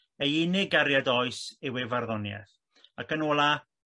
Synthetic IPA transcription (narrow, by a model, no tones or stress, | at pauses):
ejɪnɪɡaɾjadɔɨsɪwɛvarðɔnjɛ̰θ | akənoːlˠa